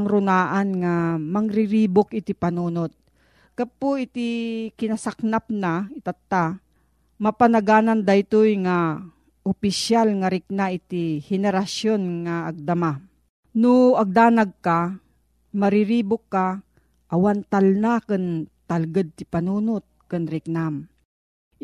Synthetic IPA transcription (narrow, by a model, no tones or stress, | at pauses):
ŋɾʊnaːʔanŋamaŋɾɪɾiːbʊkʔɪt̪ɪpanuːnot̪̚ | kapoɪt̪ikɪnasak̚napnaɪt̪at̪ːa | mɐpanaɡaːnand̪ajt̪ojŋa | ʊpɪʃjalŋaɾɪk̚naʔɪt̪ihɛnɛɾasjonŋaːɡ̚d̪ama | nʊɐɡ̚d̪aːnaɡ̚ka | maɾɪɾiːbʊkːa | ʔɐwant̪alnakɨnt̪alɡad̪̚t̪ɪpanuːnot̪̚kɨnɾɪk̚nam